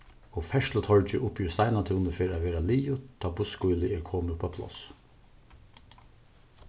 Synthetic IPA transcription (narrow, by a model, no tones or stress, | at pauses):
oːfɛʃlət̪ʰɔɹd͡ʒəʔʊpjʉst̪æɪnɑt̪ʰʉːnəfeːɾɑʋeːɾɑliːjʊt̪ʰːɑːbʊskuʏlɪeːkʰoːməpʰoːpʰlɔ̰s